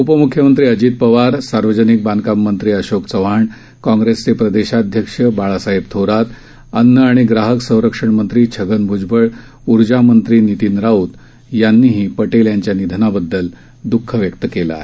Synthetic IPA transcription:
upəmukʰjəmənt̪ɾiːəd͡ʑiːt̪̚pəʋaɾsaɾʋəd͡ʑənik̚bankamːənt̪ɾiːəɕokt͡səʋ̤aɳ | kɔ̃ŋɡɾest͡sepɾəd̪eɕad̪ʱjəkʂəbaɭasaɦibt̪ʰoɾat̪ | ənːəaɽ̃iɡɾaɦəksə̃w̃ɾəkʂəɳmənt̪ɾiːt͡ɕʰəɡənbʱud͡ʑbəɭ | uɾd͡ʑamənt̪ɾiːnit̪iːnɾaut̪ | janːiːɦiːpəʈeljaɲt͡ɕjanid̪ʱənabəd̪ːəl | d̪ukʰːəʋjəkt̪əkela̰ɦe

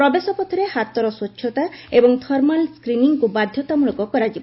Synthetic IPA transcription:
pɾɔbesɔpɔt̪ʰɔɾehat̪ɔɾɔswot͡ʃːʰjɔt̪aebɔŋt̪ʰɔɾmalskɾiniŋkubad̪ʱjɔt̪amuɭɔkɔkɔɾad͡ʒibɔ

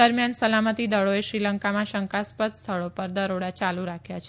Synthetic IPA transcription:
əɾmjansəlamət̪id̪əɭoeʃɾiləŋkamãʃəŋkaspəd̪st̪ʰəɭopəɾd̪əɾoɽat͡ʃaluɾakʰjat͡ʃʰ

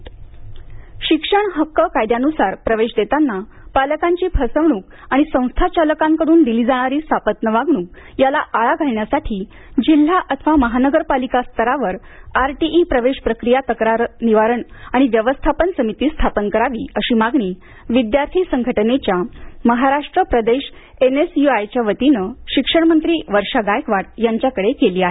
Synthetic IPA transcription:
ɕikʂəɳɦəkːəkajd̪janusaɾpɾəʋeɕd̪et̪anːa | paləkaɲt͡ɕiːpʰəsəʋɳ̃uːk | aɽ̃isə̃w̃st̪ʰat͡ɕaləkãŋkəɽuːnd̪iliːd͡zaɽ̃aɾiːst̪ʰapət̪nəʋaɡɳuːk̚ | jalaʔaɭaɡʱaɭɳjasaʈʰiː | d͡ʑil̤ːaʔət̪ʰəʋaməɦanəɡəɾpalikast̪ʰəɾaʋəɾaɾʈiʔipɾəʋeɕpɾəkɾijat̪əkɾaɾniʋaɾəɳaɽ̃iʋjəʋəst̪ʰapənsəmit̪iːst̪ʰapənkəɾaʋiːəɕiːmaɡɳiː | ʋid̪jaɾt̪ʰiːsəŋɡʱəʈənet͡ɕjaməɦaɾaʂʈɾəpɾəd̪eɕ | enesjuajt͡ɕjaʋət̪inəɕikʂəɳmənt̪ɾiːʋəɾʂaɡajkʋaʈ̚jaɲt͡ɕjakəɽekeliːaɦe

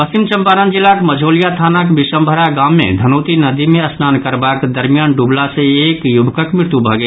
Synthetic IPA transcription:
pəst͡ʃimt͡ʃə̃mpaːnənd͡ʒilːakməd͡ʒʱoːlijat̪ʰaːnəkbisəmbʱəɾaɡaːmːḛ̃d̪ʱənoːt̪inəd̪imẽəsnaːnkəɾbakd̪əɾmijaːnɖublasẽeːkjubʱkəkmɪɾt̪ubʱəɡe

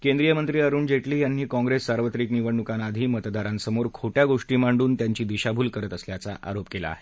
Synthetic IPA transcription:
kẽnd̪ɾijəmənt̪ɾiːəɾuːɳd͡ʑeʈliːjanːiːkɔ̃ŋɡɾesːaɾʋət̪ɾiːkniʋəɳːukanad̪ʱiːmət̪d̪aɾãnsəmoɾkʰoʈjaɡoʂʈiːmaɳɖuːnt̪jaɲt͡ɕiːd̪iɕabʱuːlkəɾət̪əsljat͡sa̰ʔa̰ɾopkela̰ːɦe

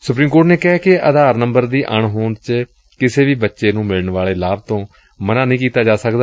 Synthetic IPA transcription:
sʊpɾiːmkoːʈneːkɛːkɪʔəd̪aːɾnəmbəɾd̪iːʔəɳɦoːɳt͡ʃ | kɪseːʋiːbətːʃeːnũːmɪləɳʋaːleːlaːb̚t̪õː | mənaːnəĩːkiːt̪aːd͡ʒaːsəkd̪aː

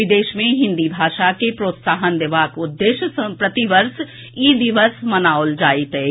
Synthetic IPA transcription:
ɪd̪eːʃmẽɦɪ̃nd̪ibʱaːʃakepɾoːt̪saːɦənd̪ɪʋaːkʊd̪ːeːʃpɾɐt̪iʋəɾs | iːd̪iʋəsmɐnaːʊld͡ʒaːit̪eː

